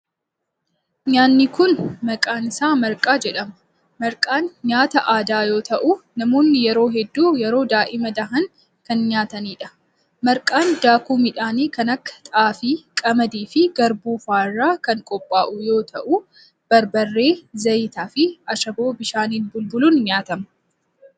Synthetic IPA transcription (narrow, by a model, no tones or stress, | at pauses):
ɲaːnːɪkʊnmɐkʼaːnɪsaːmɐɾkʼaːd͡ʒɛᶑɐmɐ | mɐɾkʼaːnɲaːt̪ɐʔaːd̪aːjo̞ːt̪ɐʔunɐmo̞ːnːɪjɛɾo̞ːɦɛd̪ːuːjɛɾo̞ːd̪aːʔɪmɐd̪ɐɦɐn | kɐnɲaːt̪ɐniːᶑɐ̥ | mɐɾkʼaːnd̪aːkuːmɪᶑaːniːkɐnɐkːɐ̥t̪ʼaːfiːkʼɐmɐd̪iːfɪɡɐɾbuːfaːrːaːkɐŋkʼɔpʼːaːʔʊjo̞ːt̪ʰɐʔuː | b̥ɐɾbɐrːe̞ːzɐjt̪aːfɪɐʃɐbo̞ːbɪʃaːniːlbʊlbʊluːnɲaːt̪ɐmɐ